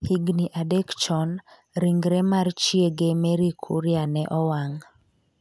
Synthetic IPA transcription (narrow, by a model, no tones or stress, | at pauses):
hiɡniʔadɛkt͡ʃɔn | ɾiŋɡɾɛmart͡ʃieɡemɛɾikʰṵɾjanɛʔɔwaŋ